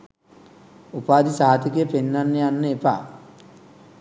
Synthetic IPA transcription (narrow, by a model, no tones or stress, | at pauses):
upaːd̪isaɦat̪ikəjəpenːanːəjanːəepa̰